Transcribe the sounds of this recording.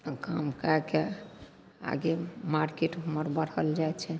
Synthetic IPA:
kamkake | a̰ɡemaɾkeʈɦuməɾbəɽ̤əld͡ʒajt͡ʃʰɛ

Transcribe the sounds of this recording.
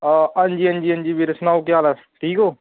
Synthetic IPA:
ɐnd͡ʒiːənd͡ʒiːənd͡ʒiːbʱiɾɐsnaːwkejaːlə | ʈʰiːkoː

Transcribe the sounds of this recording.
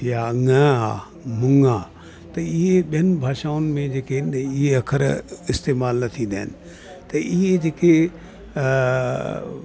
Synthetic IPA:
jaɐŋə̃a̰ː | mʊŋaː | t̪ɐɪɦeɓiɦənɪ̆bʱaːʃaːʊnɪ̆mẽd͡ʑeːkeɦɪnɪɪɦeɐkʰəɾɪst̪eːmaːlnɐt̪ʰĩnd̪aːɦɪnɪ̆ | t̪ɐʔɪɦed͡ʑeːke

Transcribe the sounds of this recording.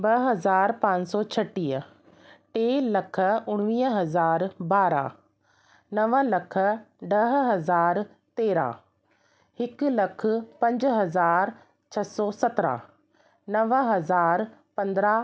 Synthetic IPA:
bɐɦɐzaːɾpãːɲsɔːt͡ɕʰɐʈːiːɦə | ʈeːlɐkʰə̆ʊɽ̃ʋiːəɦɐzaːɾbaːɾa̰ | nɐʋəlɐkʰə̆ɖɐɦɦɐzaːɾ | t̪eːɾã̰ː | hɪkʊlɐkʰʊ̆pɐ̃ɲd͡ʑɦɐzaːɾ | t͡ɕʰɐsɔːsɐt̪ɾã̰ | nɐʋəɦɐzaːɾpɐ̃nd̪ɾa

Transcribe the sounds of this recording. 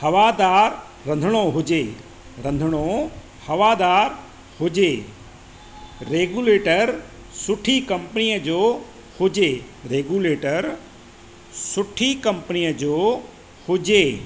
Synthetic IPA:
hɐʋad̪aːɾː | ɐ̃nd̪ʱəɽ̃oɦʊd͡ʑe | ɾɐ̃nd̪ʱəɽ̃o | hɐʋaːd̪aːɾ | hʊd͡ʑeː | ɾeːɡuːleːʈəɾ | sʊʈʰikɐ̃mpnijəd͡ʑoː | hʊd͡ʑe | ɾeːɡuleːʈəɾ | sʊʈʰikɐ̃mpənijəd͡ʑoː | hʊd͡ʑeː

